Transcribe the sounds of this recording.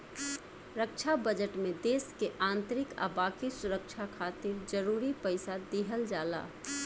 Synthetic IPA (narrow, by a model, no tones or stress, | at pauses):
ɾəkt͡ʃʰabəd͡ʒəʈmẽd̪eːskeʔãːnt̪ɾɪka̰baːkisʊɾək̚ʃʰakʰaːt̪ɪɾd͡ʒəɾuːɾipəɪsad̪iɦəld͡ʒaːla̰ː